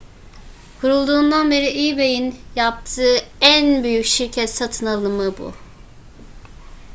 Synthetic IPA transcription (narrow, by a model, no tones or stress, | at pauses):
kʰuɾulˠd̪uːnd̪anbeɾiʔibejinjap̚t̪ʰɯːænbyjycʃiɾcʰɛt̪sat̪ʰɯnalˠɯmɯbṵ